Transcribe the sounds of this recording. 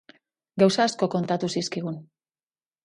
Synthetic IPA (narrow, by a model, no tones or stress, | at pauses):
ɡawsaːsko̞ko̞nt̪at̪usiskiɣun